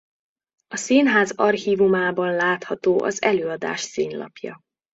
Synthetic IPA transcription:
ɒsiːnɦaːzɒrxiːvumaːbɒnlaːt̪hɒt̪oːʔɒ̰zɛløːɒd̪a̰ːʃsiːnlɒ̰pjɒ̰

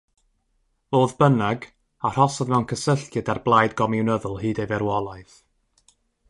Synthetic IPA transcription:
oːðbənaɡ | ar̥ɔsɔðmɛwnkʰəsəɬkjɨdarblˠajdɡɔmɪwnəðʊlˠhɨːdejvɛɾwɔlˠaɨθ

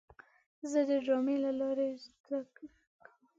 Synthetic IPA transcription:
zəd̪əɖɑmelalɑɾed̪akə

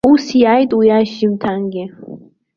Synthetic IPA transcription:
usijajt̪ujaʃimt̪ʰaŋɡʲi

